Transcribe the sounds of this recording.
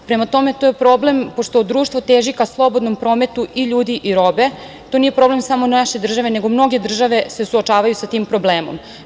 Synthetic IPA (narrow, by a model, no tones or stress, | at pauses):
pɾemat̪o̞me̞t̪ojepɾoːble̞mpo̞ʃt̪od̪ɾuːʃt̪ʋot̪eːʒikaslˠo̞bo̞d̪no̞mpɾo̞ːme̞t̪uʔiʎuːd̪iʔiɾo̞be̞ | t̪o̞nije̞pɾo̞ble̞msamo̞naʃe̞d̪r̩ʒaʋe̞ne̞ɡo̞mno̞ɡe̞d̪r̩ʒaʋe̞sesuot͡ʃaːʋajusat̪iːmpɾo̞bleːmo̞̰m